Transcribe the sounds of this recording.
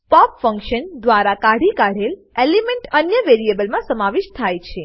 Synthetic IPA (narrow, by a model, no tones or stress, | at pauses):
pɔpfə̃ŋkʃənd̪ʋaɾakaɽikaɽ̤elelimẽɳʈənjəʋeɾiebəlmãsəmaʋiʃt̪ʰajt͡ʃʰe